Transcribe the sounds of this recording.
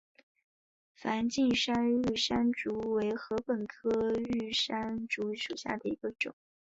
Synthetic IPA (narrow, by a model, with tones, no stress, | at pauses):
fa˧˥nt͡ɕi˥˩nʂa˥ny˥˩ʂa˥nʈ͡ʂu˧˥we˧˥ɪxɤ˧˥pə˨˩nkʰɤ˥y˥˩ʂa˥nʈ͡ʂu˧˥ʂu˨˩ɕja̰˥˩d̪ə˩i˧˥ɡə˧ʈ͡ʂʊ̰˨˩˦ŋ